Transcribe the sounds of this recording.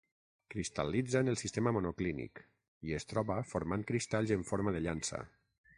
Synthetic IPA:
kɾist̪a̰lid͡zanəlˠsist̪eməmonoklinḭk | iest̪ɾɔβafoɾmankɾist̪aʎzeɱfoɾmaðəʎansə̰

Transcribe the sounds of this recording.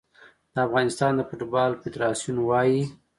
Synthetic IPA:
d̪̥əafɣɑnɪst̪ɑnd̪əpoʈubɑlfɪd̪ɾɑsjunwɑji

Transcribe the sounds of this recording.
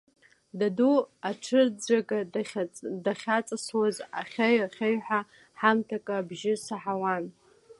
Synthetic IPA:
daduaʈ͡ʂʰɨrd͡zʷakʼa | daχʲat͡sʼaswaza̰χʲeɥaχʲeɥħʷᶣa | ħamtʰakʼaːbʒɪsaħawan

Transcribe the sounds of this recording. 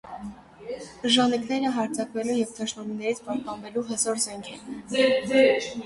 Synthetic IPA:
ʒɑniknɛɾəɦɑɾt͡sʰɑkvɛlujɛvt̪ʰɑʃmɑminɛɾit͡sʰpɑhpɑnvɛluɦəsɔɾzɛŋkʰɛ

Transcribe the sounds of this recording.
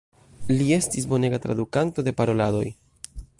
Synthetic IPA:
lie̞stisbo̞ne̞ɡat̪ɾa̰d̪ukanto̞de̞paɾo̞lado̞̰j

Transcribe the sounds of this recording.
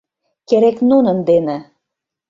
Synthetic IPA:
keɾeknunə̆nd̪enĕ

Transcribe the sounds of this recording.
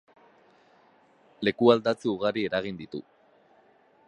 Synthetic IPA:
le̞kuald̪at͡siuɣaɾie̞ɾaɣ̞ind̪it̪ṵ

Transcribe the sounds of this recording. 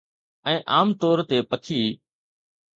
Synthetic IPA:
ɛ̃ːʔaːmt̪ɔːɾt̪eːpət̪ʰiː

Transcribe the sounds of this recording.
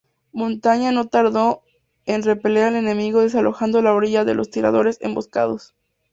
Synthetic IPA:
mõ̞nt̪aɲano̞t̪aɾðo̞ | enre̞peleɾale̞ne̞miɣo̞ðe̞s̬alo̞xand̪o̞laoɾiʝaðe̞̰lo̞st̪iɾa̰ðo̞ɾe̞sḛmbo̞ska̰ð̞o̞s

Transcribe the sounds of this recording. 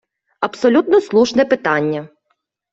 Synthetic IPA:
ɐpsɔlʲut̪nɔslˠuʃnɛpɪt̪ɑnʲːɐ

